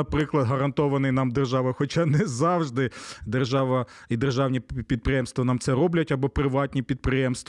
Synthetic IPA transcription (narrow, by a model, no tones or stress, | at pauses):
ɐpɾɪklˠɐd̪ɦɐɾɐnt̪ɔʋɐnɪjnɑmd̪erʒɑʋɐxɔt͡ʃɑnɛzɑwʒd̪ɪd̪erʒɑʋɐ | id̪erʒɑwnʲipʲid̪̚pɾɪjɛmst̪ʋɐnɑmt̪sɛɾɔblʲɐtʲɐbɔpɾɪʋɑtʲnʲipʲid̪̚pɾɪjɛmst̪